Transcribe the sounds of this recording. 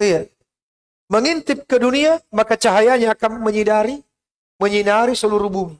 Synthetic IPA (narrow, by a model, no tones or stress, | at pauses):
ija | məŋint̪ɪp̚kəduniamakat͡ʃaɦajaɲaːkanməɲidaɾi | məɲinaɾisəluɾubum